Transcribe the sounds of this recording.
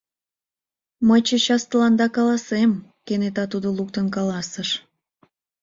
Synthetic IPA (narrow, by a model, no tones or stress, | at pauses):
məjt͡ɕet͡ɕɑst̪əlɑnd̪ɑkɑlɑsemkenet̪ɑt̪ud̪oluk̚t̪ənkɑlɑsəʃ